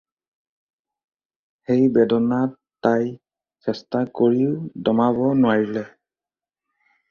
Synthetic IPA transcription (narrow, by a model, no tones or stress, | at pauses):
xejbɛdɔnatːaj | sɛstakoɹidɔmabɔnʊwaɹilɛ